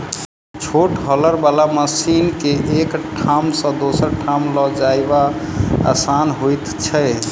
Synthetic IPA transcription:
t͡ʃʰoʈɦɔləɾbalaməsinkeʔekʈʰamsə̃d̪osəɾʈʰamlɔd͡ʒajbaa̰sanɦojt̪t͡ʃʰɛ

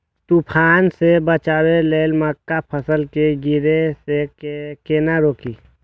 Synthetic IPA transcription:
t̪upʰaːnsebət͡ʃaːweleːlməkːapʰəsəlkeɡɪɾesekeːnaɾoːkiː

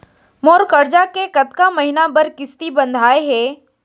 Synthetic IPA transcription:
moːɾkəɾd͡ʒakekɐt̪kaməɦɪnabɐɾkɪst̪ibə̃nd̪ʱaːeɦɛː

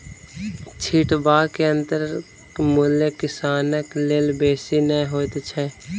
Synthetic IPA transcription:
t͡ʃʰiːʈbaːkeə̃nt̪əɾ | mulekɪsaːnəkleːlbeːsinɛɦoːt̪t͡ʃʰɛː

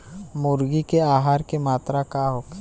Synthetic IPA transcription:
mʊɾɡikeaːɦaːɾkemaːt̪ɾakaɦoːk

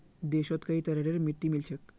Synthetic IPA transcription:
d̪eɕɔt̪kəɦit̪əɾeɽeɾmiʈːimilt͡ɕʰek

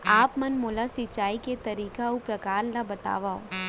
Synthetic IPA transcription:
aːpmɐnmʊlasɪt͡ʃːaːiket̪ɐɾiːkaʊpɾɐkaːɾnabɐt̪a̰ːʋaːo̰ː

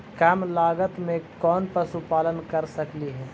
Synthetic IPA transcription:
kaːmlaːɡət̪mẽkɔːnpɐɾsupaːlənkɐɾsɐkliɦɛː

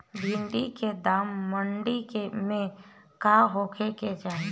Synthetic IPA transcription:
bʱɪ̃ɳɖiked̪aːmːəɳɖikemẽ | kaːɦoːkʰeked͡ʒaːɦe

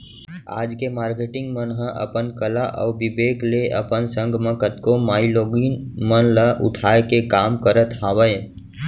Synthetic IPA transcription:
a̰ːd͡ʒkemaːɾkeʈɪ̃ŋɡmənɦə̃ʔə̰pənkəlaʔɔ̰bibeːkleʔə̰pənsə̃ŋɡʱmə̃kət̪komaːiloɡinmənləʔʊ̰ʈʰaːekekaːmkəɾət̪ɦaʋəj

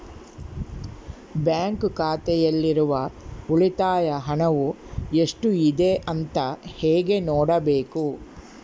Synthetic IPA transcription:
bjaːŋkkaːt̪ɛjɐlːiɾuʋɐuɭit̪aːjɐɦɐɳɐʋu | e̞ʂʈuid̪e̞ʔɐnt̪ɐheːɡe̞noːɽɐbeːku

